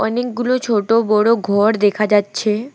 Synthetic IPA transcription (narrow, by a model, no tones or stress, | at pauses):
ɔnek̚ɡulot͡ɕʰoʈobɔɽoɡʱɔɾd̪ekʰad͡ʑatːɕʰe